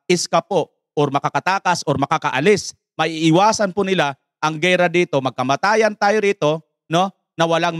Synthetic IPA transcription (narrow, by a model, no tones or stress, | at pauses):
ʔɪskapo | ʔoɾmɐkakɐt̪aːkɐsʔoɾmɐkakɐʔɐlɪs | mɐʔiʔɪwaːsɐnpʊnɪla | ʔɐŋɡɛjɾɐd̪iːt̪o̞mɐɡ̚kɐmat̪aːjɐnt̪aːjoɾiːt̪o̞ | no̞ | nɐwɐlaŋ